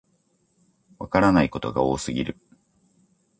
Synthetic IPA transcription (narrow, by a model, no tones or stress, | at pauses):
βakaɾanaiko̞t̪o̞ɡaoːsɨɡʲiɾɯ̟